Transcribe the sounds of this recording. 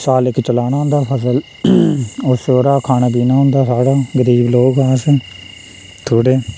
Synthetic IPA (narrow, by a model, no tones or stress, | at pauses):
saːlɪkt͡ʃəlaːñaːɦʊ̃nd̪aːpʰəsəl | ʊsoːɾaːkʰaːnaːbiːnaːɦʊ̃nd̪aːsaːɽaːɡəɾiːbloːɡaːs | t̪ʰoːɽeː